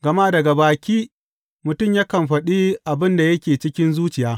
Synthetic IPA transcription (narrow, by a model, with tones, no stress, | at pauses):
ɡɐ˨ma˦dɐ˨ɡa˨baː˨kʲiː˦ | mʊ˨tʊ˦˨mjaː˦kɐ˨mɸɐ˨ɗiː˦ʔa˨bɪ˦nda˨jɐ˦kʲeː˨t͡ʃɪ˦kʲɪ˦nzuː˦t͡ʃɪ˨jaː˦